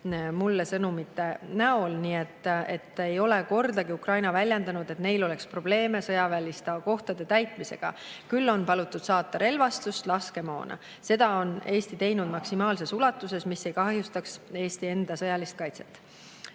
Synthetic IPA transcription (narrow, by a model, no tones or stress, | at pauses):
mulːesɤnumit̪ːˑenæolniːe̞t̪ːˑe̞t̪ːe̞jo̞le̞ko̞rd̪ɑɡ̥iukrɑjnɑvælʲjɑnd̪ɑnud̪̥e̞t̪ne̞jlo̞le̞kspro̞b̥le̞ːme̞sɤjɑvælʲist̪ɑko̞ht̪ɑd̪̥e̞t̪æjt̪mise̞̰ɡ̥ɑ̰kylːo̞npɑlut̪ːˑud̪̥sɑːt̪ːˑɑɾe̞lvɑst̪ust̪lɑske̞mo̞̰ːnɑ̰ | se̞d̪̥ɑo̞ne̞ːst̪it̪e̞jnud̪̥mɑksimɑːlse̞sulɑt̪ːˑuse̞smisːe̞jkɑhjust̪ɑkse̞ːst̪ie̞nd̪̥ɑsɤjɑlist̪kɑjt̪se̞̥t̪ːˑ